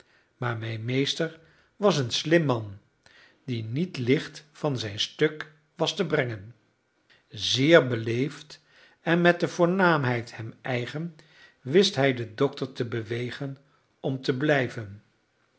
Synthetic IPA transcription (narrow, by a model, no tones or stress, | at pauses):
maːɹmɛjnmejstəɹ | ʋɑsənslɪmːɑn | dinitlɪχtfɑnzɛjnstɵk | ʋɑstəbrɛŋən | zɪːɹbəlejft | ɛnmɛt̚dəvʊːɹnaːmɦɛjthɛmɛjχən | ʋɪstɦɛjdədɔk̚təɹtəbəʋejχən | ɔmtəblɛjvən